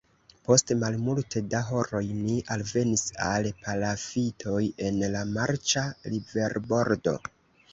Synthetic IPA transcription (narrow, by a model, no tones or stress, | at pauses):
po̞stmalmultʰe̞daɦo̞ɾo̞jniʔalve̞nisalpʰalafitʰo̞je̞nlamaɾt͡ʃalibe̞ɾbo̞ɾdo̞̰